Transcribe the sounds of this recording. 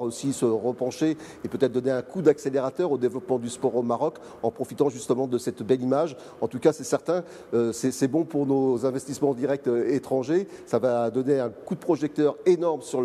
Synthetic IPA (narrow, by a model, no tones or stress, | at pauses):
ʁosisəʁəpɑ̃ʃe | epøt̪ɛt̪χd̪ɔneɛ̃kʰud̪akseleʁat̪œʁod̪evlɔpmɑ̃d̪yspɔʁomaʁɔk | ɑ̰̃pχɔfit̪ɑ̃ʒyst̪əmɑ̃d̪əsɛt̪bɛlimaʒ | ɑ̃t̪ukasɛsɛʁt̪ɛ̃ | øsɛsɛbɔ̃puʁnozɛ̃vɛst̪ismɑ̃d̪iʁɛk̚t̪et̪χɑ̃ʒesavad̪ɔneɛ̃kud̪əpχɔʒɛk̚t̪œʁenɔʁmsyʁ